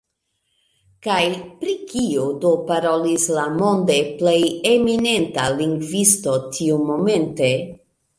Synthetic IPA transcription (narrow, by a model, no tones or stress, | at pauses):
kajpɾikiodopaɾo̞lislamo̞nde̞ple̞jemine̞ntaliŋɡvisto̞tʰiumo̞me̞nte̞